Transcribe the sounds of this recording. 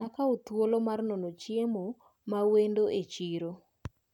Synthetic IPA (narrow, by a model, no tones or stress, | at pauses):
akaot̪wolomarnɔnot͡ʃjemo | mawendoʔet͡ʃiɾo